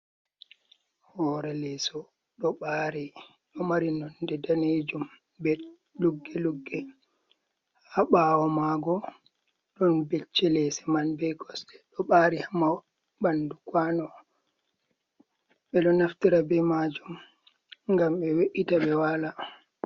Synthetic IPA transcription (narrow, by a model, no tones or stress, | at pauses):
hɔɾɛlɛsɔ | ɗɔɓaɾi | ɗɔmaɾinɔndɛdaned͡ʒum | bɛ | luɡːɛluɡːɛ | haɓawɔmaɡɔ | ɗɔnbet͡ʃːɛlɛsɛmanbɛɡɔsɗɛ̥ɗɔɓaɾihama | bandukwanɔ | ɓɛɗɔnaftiɾabɛmad͡ʒum | ŋɡamɓɛweʔitaɓɛwala